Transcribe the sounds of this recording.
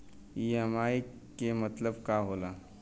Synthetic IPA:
iɛmaːi | kemət̪ləbkaɦoːlaː

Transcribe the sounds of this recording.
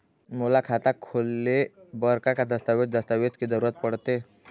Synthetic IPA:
molakʰat̪akʰolːebəɾkakad̪əst̪aʋet̪̚d͡zəst̪aʋet͡skid͡z̪əɾuɾat̪̚pəɽt̪e

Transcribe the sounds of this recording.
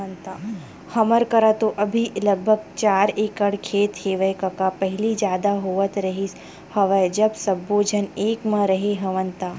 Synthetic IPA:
ənt̪aː | xɐməɾkɐɾət̪oʔɐbʱiləɡ̚bʱəɡ̚t͡ʃaːɾeːkəɽkʰeːt̪heːʋəkɐkapɛɦɪlid͡ʒjaːd̪aɦoːʋət̪ɾɐɦis | hɐʋəd͡ʒɐbsɐbːoːd͡ʒʱəneːkmãɾɐɦeɦɐʋənt̪aː

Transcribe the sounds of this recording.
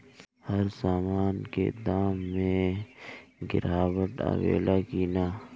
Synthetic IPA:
hɐɾsaːmaːnkḛd̪aːmːẽ | ɡɪɾaːwəʈa̰ʋḛːlʔakiːnaː

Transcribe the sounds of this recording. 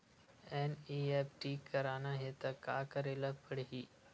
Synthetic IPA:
eniːeːpʰʈiːkːəɾaːnaɦet̪ɐkaːkəɾeːlapəɽɦiː

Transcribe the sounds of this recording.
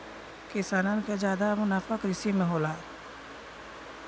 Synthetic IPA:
kɪsaːnanked͡ʒaːd̪amʊnaːfakɾɪsimẽɦoːlaː

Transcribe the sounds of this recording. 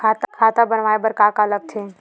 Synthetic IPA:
kʰaːt̪akʰaːt̪abənʋaːebəɾkaːkaləɡ̚t̪ʰeː

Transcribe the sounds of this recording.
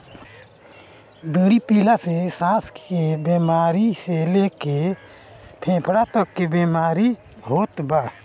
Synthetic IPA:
biːɽipiːlasesãːskebeːmaːɾiseleːke | pʰẽːpʰɽat̪əkːebemaːɾi | ɦoːt̪baː

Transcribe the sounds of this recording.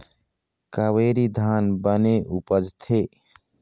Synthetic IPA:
kaweɾid̪ʱanbəneʔupəd͡ʒt̪ʰe

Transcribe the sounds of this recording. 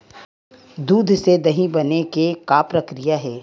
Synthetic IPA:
d̪uːd̪ʱsed̪ɐɦĩbɐnekekaːpɾɐkɾijaɦɛː

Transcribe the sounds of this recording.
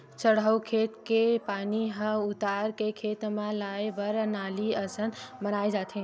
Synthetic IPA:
t͡ʃəɽəwkʰeːt̪kepaniɦə̃ut̪aɾkekʰet̪mãlajbəɾnaːliəsənmənaːid͡ʒaːt̪ʰẽ

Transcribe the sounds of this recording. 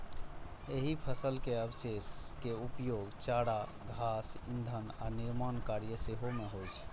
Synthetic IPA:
eɦipʰəsəlkeəbseskeupjoɡt͡ʃaɽa | ɡʱasind̪ʱəna̰niɾmankaɾijəseɦomeɦojt͡ʃʰ

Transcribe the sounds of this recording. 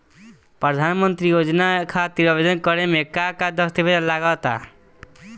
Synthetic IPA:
pɾɔd̪ʱanmɔnt̪ɾijod͡ʒɔnakʰat̪iɾɔbed̪ɔnkɔɾemekakad̪ɔst̪ibed̪ɔnlaɡɔːt̪a̰

